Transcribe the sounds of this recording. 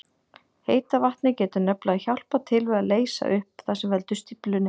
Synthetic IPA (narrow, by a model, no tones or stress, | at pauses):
heːjt̪avaht̪nɪcɛːt̪ʏnœplaɣaçawl̥pat̪ʰɪlvɛɣaleːjsa̰ʔʏhpθasɛmvɛlt̪ʏst̪iplʏnɪ